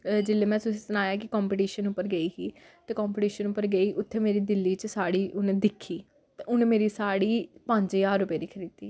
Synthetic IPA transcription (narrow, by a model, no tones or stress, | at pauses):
d͡ʒɪlːeːmɛ̃ːsʊsiːsənaːjaːkɪkɔːmpɪʈiːʃənʊpːəɾɡəiːɦiː | t̪eːkɔːmpɪʈiːʃənʊpːəɾɡəiːʔʊt̪ʰːeːmeːɾiːd̪ɪlːiːt͡ʃsaːɽiːʔʊnd̪ɪkʰːiː | t̪eʊnmeːɾiːsaːɽiːpə̃ɲd͡ʒjaːɾːʊpeːd̪iːkʰəɾiːd̪iː